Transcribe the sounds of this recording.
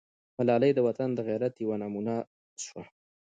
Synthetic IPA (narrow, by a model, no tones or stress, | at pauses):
malɑlajd̪əwat̪and̪əɣaɾat̪jawanamuna | ʃwa